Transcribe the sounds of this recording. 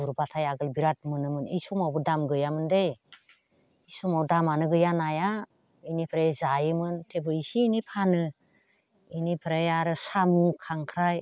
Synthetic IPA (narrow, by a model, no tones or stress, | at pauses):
uɾbatʰajaɡɯlbiɾat̚mɯnɯmɯnisumawbɯdamɡɯjamɯndej | isumawdamanɯɡɯjanaja | inipʰɾezajɯmɯntʰebɯisiːnipʰanɯ | inipʰɾajaɾɯsamukʰaŋkʰɾaj